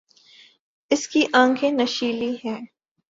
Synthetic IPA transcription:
ɪskiʔãːŋkʰẽnɐʃiːliɦɛː

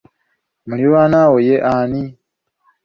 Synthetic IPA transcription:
muioβanawojeʔani

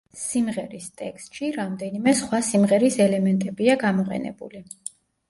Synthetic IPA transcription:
simʁɛɾist̪ʼɛkʰst̪ʼʃiɾamd̪ɛnimɛsχwasimʁɛɾisɛlɛmɛnt̪ʼɛbiaɡamɔqʼɛ̰nɛ̰bṵli

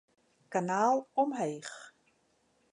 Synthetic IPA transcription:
kanaːlˠɔmɦejx

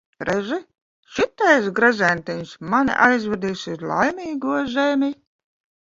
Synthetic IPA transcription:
ɾɛʒi | ʃit̪ːajsɡɾazʲænʲt̪ʲɛɲsman̰ʔajzvʲɛɾd̪iːsuzlˠa̰jmiːɡuɔzʲɛmʲi

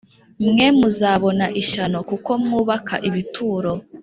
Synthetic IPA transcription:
mŋemuzaːβo̞naʔiʃano̞kuko̞mŋuːβakʰa̰ʔiβitʰuːɾo̞

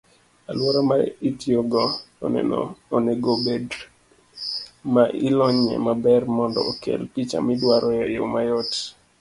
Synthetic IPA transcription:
alwɔɾama̰itjoɡɔo̰nɛ̰nɔ̰oneɡobed | maʔilɔɲɛ̰mabɛrmɔndɔ̰okḛlpit͡ʃa̰midwaɾʔɔjajowmajɔt

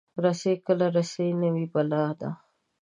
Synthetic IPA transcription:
ɾasekəlaɾasainəwibalɑːhd̪a̰

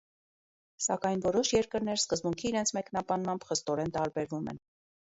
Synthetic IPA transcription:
sɑkɑjnvɔɾɔʃjɛɾkəɾnɛɾskəzbuŋkʰiːɾɛnt͡sʰmɛknɑbɑnmɑmbχəst̪ɔɾɛnt̪ɑɾbɛɾvumɛ̰n

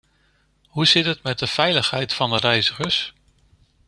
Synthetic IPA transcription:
ɦuzɪtətmɛt̚dəv̥ɛjləχɦɛjtfɑndərɛjzəχəɹs

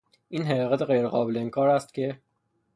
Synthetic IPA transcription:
ʔiːnɦeɾɒɣæt̪ʰe̞ɣejɾeɣɒːbeleiŋkʰɒːɾæst̪̚cʲʰe̞

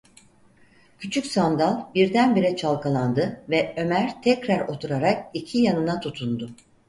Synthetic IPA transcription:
cʰyt͡ʃʰycsand̪alˠbiɾd̪ænbiɾɛt͡ʃʰalˠkʰalˠand̪ɯvɛø̞mæɾ̥t̪ʰɛcɾæɾo̞t̪ʰuɾaɾak̚icʰijanɯnat̪ʰut̪ʰund̪ʊ

